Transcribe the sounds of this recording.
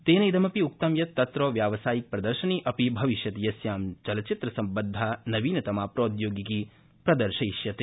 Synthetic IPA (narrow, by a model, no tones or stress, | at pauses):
t̪eːnɐid̪ɐmɐpiuk̚t̪ɐmjɐt̪ːɐt̪ɾoːʋjaːʋɐsaːjik̚pɾɐd̪ɐɾʃɐniːʔɐpibʱɐʋiʃjɐt̪ijɐsjaːmt͡ʃɐlɐt͡ʃit̪ɾɐsɐmbɐnd̪ʱːaːnɐʋiːnɐt̪ɐmaːpɾoːd̪joːɡiki | pɾɐd̪ɐɾʃɐiʃjɐt̪i